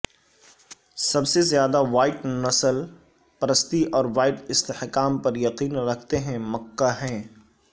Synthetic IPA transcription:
sɐbsezjaːd̪aʋaːɪʈnɐsəl | pɐɾəst̪iʔɔːɾʋaːɪʈɪst̪ehkaːmpɐɾjɐqiːnɾɐkʰt̪eɦɛ̃mɐkːaɦɛ̃ː

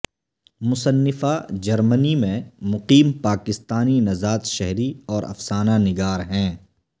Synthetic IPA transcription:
mʊsənːɪfad͡ʒɐɾmənimẽmʊqiːmpaːkɪst̪aːninɐzaːt̪ʃɛɦɾiɔːɾɐ̰fsaːnanɪɡaːɾɦɛ̃ː

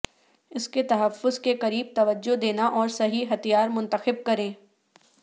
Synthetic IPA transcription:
ɪsket̪ɐɦəfːʊzkeqɐɾiːb̚t̪ɐʋəd͡ʒːod̪eːnaʔɔːɾsɐɦiɦɐt̪ijaːɾmʊ̃nt̪əxɪb̚kɐɾẽː

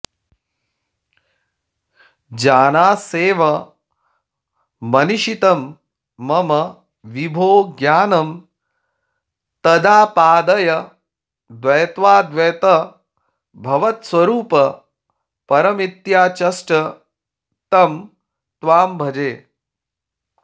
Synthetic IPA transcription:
d͡ʒaːnaːseːʋɐ | ɐniʃit̪ɐmː | ɐmɐ | ʋibʱoːɡjaːnɐm | t̪ɐd̪aːpaːd̪ɐjɐ | d̪ʋɐjt̪ʋaːd̪ʋejt̪ɐ | bʱɐʋɐt̪swɐɾuːpɐ | pɐɾɐmit̪jaːt͡ʃɐsʈɐ | t̪ɐm | t̪ʋaːmbʱɐd͡ʒeː

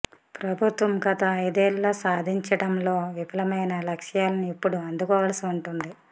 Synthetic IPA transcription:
pɾɐbʱut̪ʋɐmɡɐt̪ɐɐjd̪eːlːoːsaːd̪ʱiɲt͡ʃɐɽɐmlo̞ːʋipɐlɐmɐjnɐlɐkʂjaːlɐniipːuɽuɐnd̪ukɔːʋɐːlɐsiuɳʈund̪i

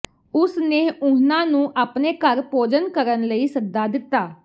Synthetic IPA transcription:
ʊsneːʊnãːnũːʔaːpneːkəɾpoːd͡ʒənkəɾənləiːsəɡ̚d̪aːd̪ɪt̪ːaː

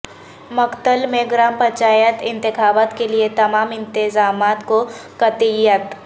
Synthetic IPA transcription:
mɐkt̪əlmẽɡɾaːmpɐt͡ʃaːjət̪ɪ̃nt̪ɪxaːbaːt̪keliet̪ɐmaːmɪ̃nt̪ɪzaːmaːt̪kokɐt̪ijət̪

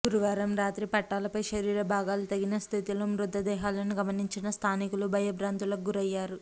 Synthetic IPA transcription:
ɡuɾuʋaːɾɐmɾaːt̪ɾipɐʈːaːlɐpɐjʃɐɾiːɾɐbʱaːɡaːlut̪ɐɡinɐst̪ʰit̪ilɐmɾud̪ʱːɐd̪ɛːɦaːlɐniɡɐmɐniɲt͡ʃinɐst̪ʰaːnikulubʱɐjɐbɾaːnt̪ulɐɡuɾɐjːaːɾu

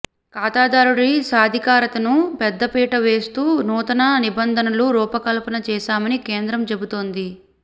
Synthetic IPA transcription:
kaːt̪aːd̪aːɾuɽisaːd̪ʱikaːɾɐt̪ɐnupɛd̪ːɐpiːʈɐʋe̞ːst̪uːnuːt̪ɐnɐnibɐnd̪ʱɐnɐluɾuːpɐkɐlɐpɐnɐt͡ʃɛːʃaːmɐnikeːnd̪ɾɐmt͡ʃe̞but̪oːnd̪i

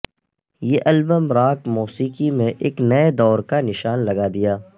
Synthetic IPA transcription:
jeʔɐlbəmɾaːkmuːsiːkimẽʔeːknɐed̪ɔːɾkanɪʃaːnlɐɡad̪ijaː

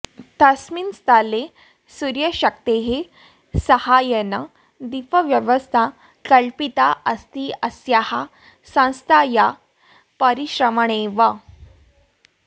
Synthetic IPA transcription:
t̪asminst̪ale | suɾjəɕək̚t̪eɦe | səhajəna | d̪ifəʋjəʋəst̪ʰa | kəɭpit̪aʔəst̪iːəsjaha | sãw̃st̪ʰaja | pəɾiɕɾəməɳ̃eʋa

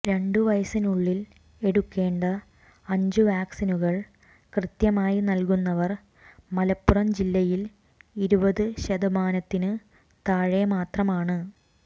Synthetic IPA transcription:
ɾe̞ɳɖɨʋɐjɐsinuɭːil | e̞ɽukːe̞ːɳɖɐ | ɐɲd͡ʑuʋaːksinuɣɐɭ | krɨt̪jɐmaːjinɐlkunːɐʋɐr | mɐlɐpːurɐmd͡ʑilːɐjil | iɾubɐðɨɕɐðɐmaːnɐt̪ːinɨ | t̪aːɻɐjɐmaːt̪rɐmaːɳɨ

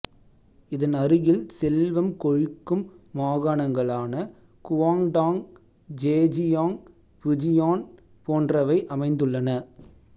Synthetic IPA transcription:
ɪðɐnɐrɯjɪlsɛlʋɐmkɔɻɪkːɯmːaːɣaːɳɐŋɡɐɭaːnɐ | kʊʋaːŋɖaːŋ | d͡ʒeːd͡ʒɪjaːŋ | pʊd͡ʒɪjaːn | poːndrɐʋɐɪʔɐmɐɪnd̪ɯɭːɐnɐ

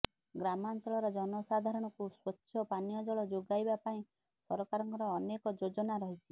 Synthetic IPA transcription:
ɡɾamant͡ʃɔɭɔɾɔd͡ʒɔnɔsad̪ʱaɾɔɽ̃ɔkuswɔʃʰjɔpanijɔd͡ʒɔɭɔd͡ʒoɡajbapaĩ | sɔɾɔkaɾɔŋkɔɾɔːnekɔd͡ʒod͡ʒɔnaɾɔɦit͡ʃʰi

